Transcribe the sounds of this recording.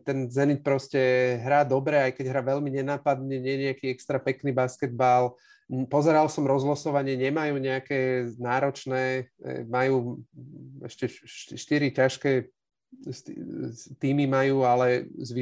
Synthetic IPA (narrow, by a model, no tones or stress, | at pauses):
t̪ɛnzɛnic̚pɾɔscɛɦɾaːd̪ɔbɾɛajkɛɟɦɾaːʋɛʎmiɲɛnaːpad̪ɲɛɲɛɲɛakiːɛkst̪ɾapɛkniːbaskɛd̪̚bal | pɔzɛɾalsɔmɾɔzɦlɔsɔʋaɲɪɛɲɛmajuːɲɛakɛːnaːɾɔt͡ʃnɛ̰ːmajuː | ɛ̰ʃcɛʃʃt̪iɾicaʃkɛː | st̪t̪iːmimajuːalɛzʋi